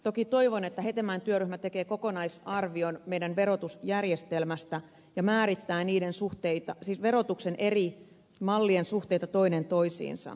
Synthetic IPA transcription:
t̪o̞kit̪o̞iʋonet̪ːæɦet̪emænt̪yøryhmæt̪ekeːko̞konɑisɑrʋionmeidænʋeɾot̪usjærjest̪elmæst̪æ | jɑmæːɾit̪ːæːniːdensuht̪eit̪ɑsiʋeɾot̪uksenʔeri | mɑlːiensuht̪eit̪ɑt̪o̞inent̪o̞isḭːnsɑ̰

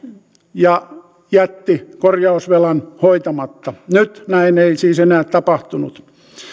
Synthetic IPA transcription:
jɑ | jæt̪ːikorjɑusʋelɑnhoit̪ɑmɑt̪ːɑnyt̪næineisiːsenæːtt̪ɑpɑht̪unṵt̪

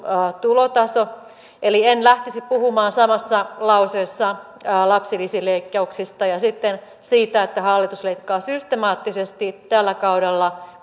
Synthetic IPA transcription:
t̪ulot̪ɑso | elienlæht̪isippuhumɑːnsɑmɑsːɑlɑuseːsːɑ | lɑpsilisileikːɑuksist̪ɑjɑsit̪ːen | siːt̪æet̪ːæhɑlːit̪usleikːɑːsyst̪emɑːt̪ːisest̪it̪ælːækɑuɾelːɑ

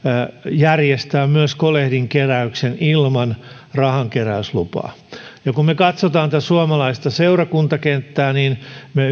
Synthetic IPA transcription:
jærjest̪æːmmyøskolehdiŋkeræyksenilmɑn | rɑhɑŋkeræyslṵpɑ̰ː | jɑkummekɑt̪sot̪ɑːnt̪æsuɑmɑlɑist̪ɑseurɑkunt̪ɑkent̪ːæːniːnme

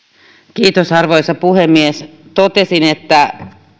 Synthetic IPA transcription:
kiːt̪osɑrʋoisɑpuhemːiest̪ot̪esinet̪ːæ

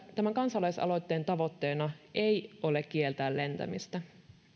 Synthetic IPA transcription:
t̪æmæŋkɑnsɑlɑjsɑ̰lo̞jt̪ːe̞ːnt̪ɑʋo̞t̪ːe̞ːnɑʔejʔo̞le̞k̟ːielt̪æːlle̞nt̪æ̰mist̪æ

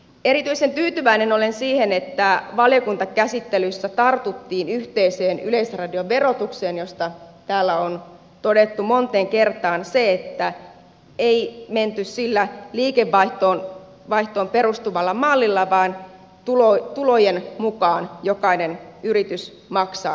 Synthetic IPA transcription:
e̞ɾit̪yisent̪yːt̪yʋæineno̞lensiːhenet̪ːæʋɑljokunt̪ɑkæsit̪ːelysːæt̪ɑrt̪ut̪ːiːnyht̪eiseːnyle̞isrɑdioʋe̞ro̞t̪ukseːnjo̞st̪ɑt̪æːlːæon | t̪o̞det̪ːumo̞nt̪eːŋkert̪ɑːnseet̪ːæ | eiment̪yssilːæliːkeʋːɑiht̪oːn | ʋɑiht̪oːmpeɾust̪uʋɑlːɑmɑlːilːɑʋɑːn | t̪ulot̪ulojenmukɑːnjokɑinenyɾit̪ys | mɑksɑ̰ː

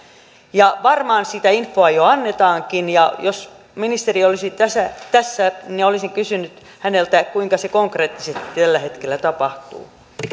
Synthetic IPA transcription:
jɑʋɑrmɑːnsit̪æinfːoɑjoɑnːet̪ɑːŋkinjɑjos | minist̪eriolisit̪æsæt̪æsːæniolisiŋkysynyt̪ | hænelt̪ækuiŋkɑsekoŋkreːt̪ːisest̪i̥t̪ælːæhet̪kelːæt̪ɑpɑht̪ṵː

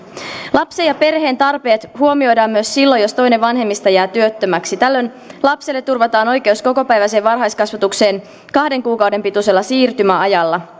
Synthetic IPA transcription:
lɑpsejɑpe̞rhe̞ːnt̪ɑrpe̞ːt̪huo̞mio̞jdɑːmmyøsːilːo̞jo̞st̪o̞jneʋʋɑnɦe̞mːist̪ɑjæːt̪yøt̪ːømæksit̪ælːøn | lɑpselːet̪ːurʋɑt̪ɑːno̞jke̞uwsko̞ko̞pæjʋæs̬e̞ːʋʋɑrɦɑjskɑsʋɑt̪ukse̞ːn | kɑhde̞ŋkuːkɑwde̞mpit̪use̞lːɑsiːrt̪ymæɑjɑlːɑ

